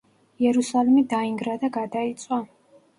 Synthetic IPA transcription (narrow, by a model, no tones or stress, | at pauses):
jɛɾusalimid̪aiŋɡɾad̪aɡad̪ait̪sʼwa